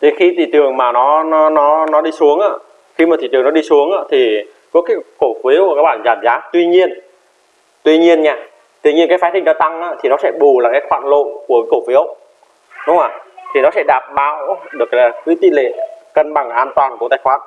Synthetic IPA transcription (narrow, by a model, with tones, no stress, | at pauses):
t̪ʰe˨˦xi˧t̪ʰḭ˧˨t̪ɨ̰˨˩əŋmaː˨˩nɔ˨˦nɔ˨˦nɔ˨˦nɔ˨˦ɗi˧su˨˦əŋʔa̰ː˧˥ | xi˧maː˨˩i˧˨t̪ɨ˨əŋnɔ˨˦ɗi˧su˨˦əŋʔaː˧˦t̪ʰi˨˩ | kɔ˨˦kaː˨˦ko˧˩fi˨˦əwkaː˦˥k̚ɓaː˧˩nzaː˧˩mzaː˨˦t̪wi˧ɲi˧ən | t̪wi˧ɲi˧ənɲaː˧ | t̪wi˧ɲi˧ənkaː˨˦jfaː˨˦t̪ʰï˧˩ŋ̟zaː˧t̪a˧ŋʔaː˨˧˦t̪ʰi˨˩nɔ˨˦sɛ̰˧˥ɓu˨˩laː˨˩kaː˨˦jxwa̰ː˧˨nlo̰˧˨nku˧˩əkaː˨˦ko˧˩fwi˨˦ə˧w | ɗʊ˨˦ŋ͡maː˧˩t̪ʰi˨˩nɔ˨˦sɛ̰˧˥ɗaː˨˩p̚ɓaː˧˦wɗɨ˨˩əklaː˨˩kɨ˨˦t̪ḭ˧˨lḛ˧˨kə˧nɓa˨˩ŋʔaː˧nt̪waː˨˩nku˧˩t̪aː˧˩jxwaː˨˧˥n